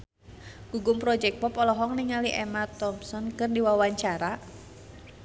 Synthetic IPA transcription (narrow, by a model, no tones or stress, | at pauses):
ɡ̥uɡʊmpɾɔd͡ʒɛk̚pɔpɔlɔɦɔŋniŋaliʔɛmat̪ɔmsɔnkɨrdiwawaɲt͡ʃaɾa